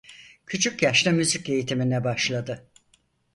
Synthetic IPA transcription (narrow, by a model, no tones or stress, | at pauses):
cʰyt͡ʃʰyc̚ɟaʃlʲɛmyzice̞jit̪ʰiminɛbaʃlˠad̪ɯ